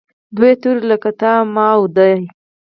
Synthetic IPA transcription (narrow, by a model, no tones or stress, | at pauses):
d̪wet̪uɾləkat̪ɑmɑwd̪aj